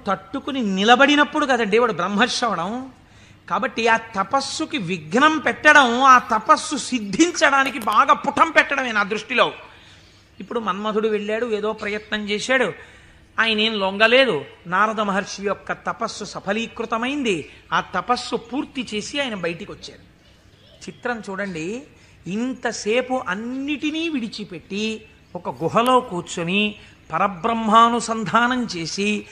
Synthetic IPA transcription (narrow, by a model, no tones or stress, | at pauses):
t̪ɐʈːukuninilɐbɐɽinɐpːuɽuɡaːd̪ɐɳɖiʋaːɽubɾɐmɦɐɾʂɐʋɐɽɐm | kaːbɐʈːiaːt̪ɐpɐsːukiʋiɡnɐmpɛʈːɐɽɐmaːt̪ɐpɐsːusid̪ʱːiɲt͡ʃɐɽaːnik̬ibaːɡaːpuʈʰɐmpɛʈːɐɽɐmeːnaːd̪ɾuʂʈiloː | ipːuɽumɐnmɐd̪ʱuɽuʋeɭːaːɽueːd̪o̞ːpɾɐjɐt̪nɐɲt͡ʃɛːsaːɽu | aːjɐneːnloŋɡɐle̞ːd̪unaːɾɐd̪ɐmɐɦɐɾʂijɔkːɐt̪ɐpɐsːusɐpʰɐliːkɾut̪ɐmɐjind̪iaːt̪ɐpɐsːupuːɾt̪it͡ʃe̞ːsiaːjɐnɐbɐjʈikiʋɐt͡ʃːaːɽu | t͡ʃit̪ɾɐmt͡ʃuːɽɐɳɖiː | nt̪ɐseːpuʔɐnːiʈiniːʋiɽit͡ʃipe̞ʈːi | ɔkɐɡuɦɐlo̞ːkuːt͡ʃuni | pɐɾɐbɾɐmɦaːnusɐnd̪ʱaːnɐmt͡ʃe̞ːsi